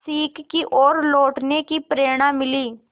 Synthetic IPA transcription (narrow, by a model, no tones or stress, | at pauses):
siːkːiʔoːɾloːʈnekipɾeːɽ̃ãːmɪliː